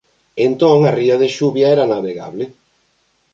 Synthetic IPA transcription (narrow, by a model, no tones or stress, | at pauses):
ent̪oŋariaðeʃuβjaɛɾanaβeɣa̰βle